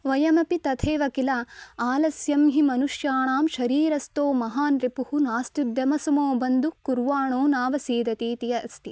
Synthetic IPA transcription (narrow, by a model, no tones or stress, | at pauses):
ʋɐjɐmɐpit̪ɐt̪ʰeːʋɐkilaaːlɐsjɐmɦimɐnuʂjaːɳaːmʃɐɾiːɾɐst̪oːmɐɦaːnɾipuhunaːst̪ud̪jɐmɐsɐmoːbɐnd̪ukuɾʋaːɳoːnaːʋɐsiːd̪ɐt̪iːt̪ijɐɐst̪i